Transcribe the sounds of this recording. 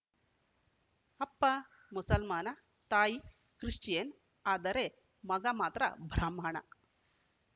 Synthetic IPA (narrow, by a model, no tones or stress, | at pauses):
ɐpːa | musɐlmaːna | t̪aːi | kɾiʂt͡ɕen | ad̪ɐɾe | mɐɡamaːt̪ɾa̰bʱɾamaɳa̰